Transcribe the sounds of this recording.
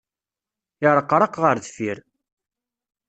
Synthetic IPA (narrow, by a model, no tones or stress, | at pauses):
ɪɾˤəqːɾˤɑqʁəɾðfiɾ